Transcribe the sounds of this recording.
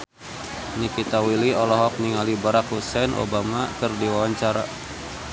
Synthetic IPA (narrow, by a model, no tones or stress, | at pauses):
nikit̪awiliɔlɔɦɔk̚niŋalibaɾakhusɛnʔo̰bamakɨrdiwawaɲt͡ʃaɾa̰